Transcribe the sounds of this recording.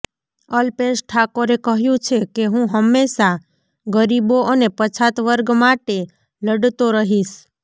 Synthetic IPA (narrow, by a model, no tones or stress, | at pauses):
əlpesʈʰakoɾekəɦjũt͡ʃʰekeɦũɦəmːeʃa | ɡəɾiboʔənepət͡ʃʰat̪ʋəɾɡmaʈe | ləɖt̪oɾəɦiʃ